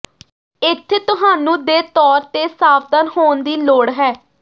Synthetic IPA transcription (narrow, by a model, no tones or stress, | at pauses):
ɪt̪ʰːt̪ʊɦaːnũːd̪eːt̪ɔːɾt̪eːsaːfd̪ənɦoːnd̪iːloːɽɦɛː